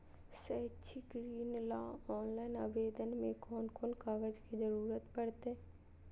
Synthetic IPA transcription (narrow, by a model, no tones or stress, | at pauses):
set͡ʃʰiɡɾiːnlaːɔːnlaːɪnabeːd̪ənmẽkɔːnkɔːnkaːɡəd͡ʒkid͡ʒəɾuːɾət̪pɐɽt̪eɛ